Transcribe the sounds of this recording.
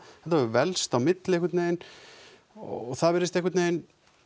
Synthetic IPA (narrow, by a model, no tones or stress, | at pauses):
ɛht̪avɾʏvɛlst̪awmɪt̪lɪɛhkʏɾt̪nejn | ɔ̰ɔθaðvɛɾɪst̪ɛhk̬ʏɾt̪neːjn